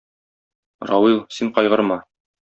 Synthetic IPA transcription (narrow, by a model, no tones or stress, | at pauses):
rɑwilˠsiɴqɒjʁɤ̆ɾmɑ